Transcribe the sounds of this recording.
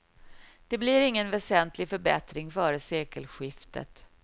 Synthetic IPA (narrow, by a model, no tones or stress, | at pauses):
d̪̥ɛbliɾɪŋːənvɛsɛnt̪ʰlɪɡfœɾbɛ̰t̪ɾɪŋfœːɾəseːkəlɧɪft̪ə̰t̪